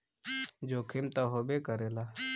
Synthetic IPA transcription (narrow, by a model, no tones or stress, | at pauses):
d͡ʒokʰimt̪aɦobekəɾela